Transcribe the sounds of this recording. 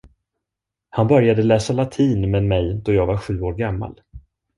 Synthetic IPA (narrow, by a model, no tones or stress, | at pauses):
hanbœɾjad̪əlɛːsalat̪ʰiːnmɛnmɛjd̪ɔjɑːɡvaɾɧʉ̟ːoːɾɡamːa̰l